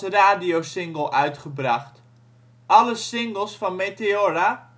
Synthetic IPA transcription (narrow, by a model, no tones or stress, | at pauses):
əraːdiosɪŋɡəlˠʔœɥtχəbraχt | ʔɑləsɪŋɡəlˠsfɔnmeteora